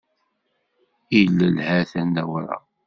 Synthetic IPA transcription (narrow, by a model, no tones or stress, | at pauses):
ilːəlhæθænd̪æwɾˤɑ̰